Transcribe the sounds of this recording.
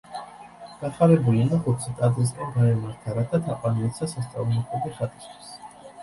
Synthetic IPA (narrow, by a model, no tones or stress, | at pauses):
ɡ̥aχaɾɛbulinaχut̪sʰit̪ʼadzɾis̬kʼɛnɡaɛmaɾt̪ʰaɾat̪ʰat̪ʰaqʼwaniɛt̪sasast̪sʼa̰vumɔkʼɔbiχat̪ʼi̥st̪ʰwi̥s